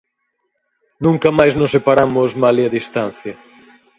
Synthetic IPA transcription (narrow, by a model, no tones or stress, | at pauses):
nũŋkɐmajznosːepaɾamʊzmaliaðist̪an̟θjɐ